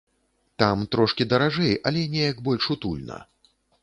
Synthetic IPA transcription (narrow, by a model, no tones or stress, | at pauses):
t̪amt̪ɾɔʂkʲid̪ɐɾaʐɛjʔɐlʲɛnʲɛjɐɡbɔlʲʂut̪ṵlʲnɐ̰